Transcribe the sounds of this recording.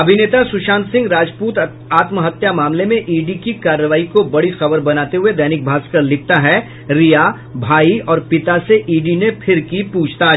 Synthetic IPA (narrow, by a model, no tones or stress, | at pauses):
ɐbʱineːt̪asʊʃãːnt̪sɪ̃ŋɡɾaːd͡ʒpuːt̪ | aːt̪məɦɐt̪jamaːmlemẽʔiːɖikikaːɾːəʋaːikobɐɽixɐbəɾbɐnaːt̪eɦʊed̪ɐːnɪk̚bʱaːskɐɾlɪk̚ʰt̪aɦɛ | ɾija | bʱaːiɔːɾpɪt̪aseʔiːɖinepʰɪɾkipuːt͡ʃʰt̪a